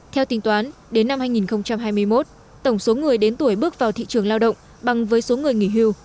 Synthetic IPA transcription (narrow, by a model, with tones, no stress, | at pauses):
t̪ʰɛ˧wt̪ï˨˧ŋ̟t̪waː˨˦n | ɗe˨˦nːa˧mhaː˧jŋi˨˩nxə˧wŋ͡mt͡ɕa˧mɦaː˧jmɨ˧əjmo˦˥t̚ | t̪ə˧˩wŋ͡mso˨˦ŋɨ˨˩əjɗe˨˦nt̪u˧˩əjɓɨ˦˥ək̚vaː˨˩wt̪ʰḭ˧˨t͡ɕɨ˨˩əŋlaː˧wɗə̰˧˨wŋ͡m | ɓa˨˩ŋvəː˨˦jso˨˦ŋɨ˨˩əjŋi˧˩ɦi˧w